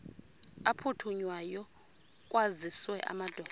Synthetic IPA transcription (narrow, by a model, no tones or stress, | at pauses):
apʰutʰuɲwajɔ | kʼwaziswɛʔa̰mad̥ʱɔː